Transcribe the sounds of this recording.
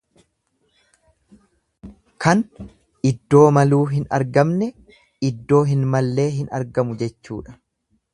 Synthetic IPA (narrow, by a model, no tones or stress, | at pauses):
kʰɐn | ʔɪd̪ːo̞ːmɐluːɦɪnɐ̰ɾɡɐmnɛ | ɪd̪ːo̞ːɦɪnmɐlːe̞ːɦɪnɐ̰ɾɡɐmʊd͡ʒɛt͡ʃːṵːᶑɐ̥